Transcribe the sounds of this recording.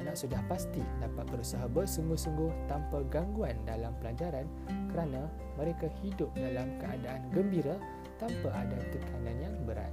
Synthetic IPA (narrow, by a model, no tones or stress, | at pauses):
naʔsudahpast̪idapat̪̚bəɾusaɦabəsəŋɡʊhsuŋɡʊht̪ampaɡaŋɡuandalampəlaɲd͡ʒaɾan | kəɾanã | mə̃ɾekahidʊp̚dalamkəa̰daʔanɡəmbiɾa | t̪ampaadat̪ət̪ʰanãnjaŋbəɾa̰t̪